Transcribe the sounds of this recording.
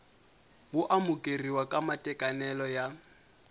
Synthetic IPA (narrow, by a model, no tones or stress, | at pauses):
bʊʔamʊkʼeriwakʼamatʼɛkʼanɛlɔja